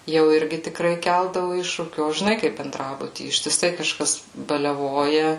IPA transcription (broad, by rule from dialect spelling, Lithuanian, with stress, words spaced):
jɛʊ ˈɪrʲɡʲɪ tʲɪkˈrɐɪ ˈkʲɛlˠdɐʋʊ ˈɪʃʃuːkʲuː oː ʒʲɪˈnɐɪ kɐɪp bʲɛnˈdrɑːbʊtʲiː ɪʃʲtʲɪˈsɐɪ kɐˈʃkɐs bɐlʲɛˈʋoːjɛ